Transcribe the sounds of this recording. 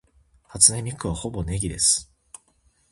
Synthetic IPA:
hat͡sɨne̞mʲikɯβaho̞bo̞ne̞ɡʲid̪e̞sɨ̥

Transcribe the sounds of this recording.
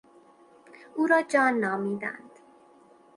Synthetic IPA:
uːɾɒːd͡ʒɒːnːɒːmiːd̪æ̰nd̪̥

